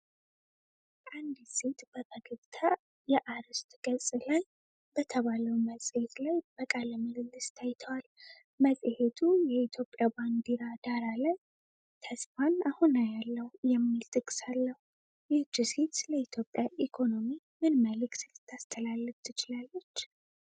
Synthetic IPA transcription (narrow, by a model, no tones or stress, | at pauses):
ʔand̪set̪b̥əkʰəɡɨβt̪ʰa | jɛʔaɾɨst̪ʼɡ̥əsʼlaj | bət̪ʰəβaləwməsʼhet̪lajb̥əkʼaləməɡɨlːɨst̪ʰajt̪ʰəwal | məsʼhet̪ʰujɛit̪ʰjo̞pʼːjaband̪iɾad̪aɾalaj | t̪ʰəsfanahunajalːəhjɛmːilt̪ʼɨkʼːsalːəhu | jɪhd͡ʒɪset̪ləit̪ʰjo̞pʼjaʔikʰo̞no̞mi | mɨnməlɨksɨlɨt̪ʰːast̪ʰʼəlalːɨft̪ʰɨt͡ʃɪlalːət͡ʃː